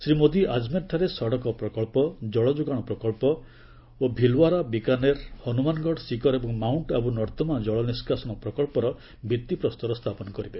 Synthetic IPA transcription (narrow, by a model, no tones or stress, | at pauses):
sɾimod̪iʔad͡ʒmeɾʈʰaɾesɔɽɔkɔpɾɔkɔɭpɔd͡ʒɔɭɔd͡ʒuɡaɽ̃ɔpɾɔkɔɭpɔ | obʱilwaɾabikaneɾhɔnumanɔɡɔɽsikɔɾebɔŋmawɳʈabunɔɾt̪ɔmad͡ʒɔɭɔniskasɔɽ̃ɔpɾɔkɔɭpɔɾɔ | bit̪ːipɾɔst̪ɔɾɔst̪ʰapɔnɔkɔɾibe